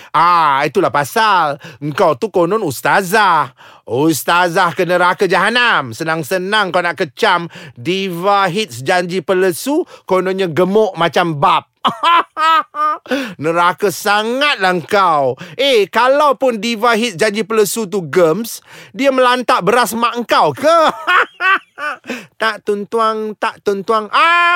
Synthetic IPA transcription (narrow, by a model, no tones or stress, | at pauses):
ʔait̪ulahpasaləŋkawt̪ukonɔnust̪azahust̪azahkənəɾakad͡ʒaɦanamsənaŋsənaŋkawnaʔkət͡ʃamdivaɦit̪̚sd͡ʒaɲd͡ʒipələsukonɔnɲaɡəmɔʔmat͡ʃambap̚ | nəɾakasaŋat̪̚lahŋkawʔekalawpʊndivaɦit̪̚sd͡ʒaɲd͡ʒipələsut̪̬uɡəmsdiəməlant̪aʔbəɾasmaʔŋ̩kawkə | t̪aʔt̪unt̪uaŋt̪aʔt̪unt̪uaŋa